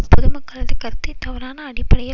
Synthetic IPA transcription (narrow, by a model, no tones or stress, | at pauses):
pʊðɯmɐkːɐɭɐðɯkɐɾt̪ːɪt̪ɐʋɐɾaːnɐːɽɪpːɐɽɐjɐ